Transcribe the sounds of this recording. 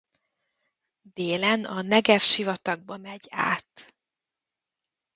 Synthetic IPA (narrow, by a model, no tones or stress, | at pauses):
d̪eːlɛnɒnɛɡɛfʃivɒt̪ɒɡ̚bɒmɛɟa̰ːt̪